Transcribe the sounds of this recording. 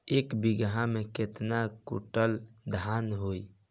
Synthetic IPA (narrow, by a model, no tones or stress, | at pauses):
eːkbiɡɦãmẽket̪nakṵʈəld̪ʱanɦoi